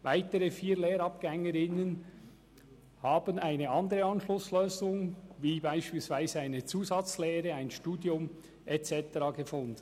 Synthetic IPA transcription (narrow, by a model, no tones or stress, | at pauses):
vaɪtəʁəfiːɾleːɾɑp̚ɡ̥ɛŋəɾɪnən | hɑːbənaɪnəɑndəʁəɑnʃlʊsløːzʊŋviːbaɪʃpiːlsv̥aɪzəaɪnət͡suːzɑt͡sleːʁəaɪnʃtuːdjʊm | ʔɛt͡sɛtəʁɑːɡəfʊndən